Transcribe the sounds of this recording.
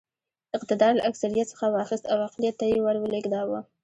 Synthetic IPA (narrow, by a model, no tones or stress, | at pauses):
ɪq̚t̪ɪd̪ɑɾləʔaksaɾijat̪sə̥xawɑxɪst̪awaqlijat̪ːajewaɾwəlɪɡd̪ɑwə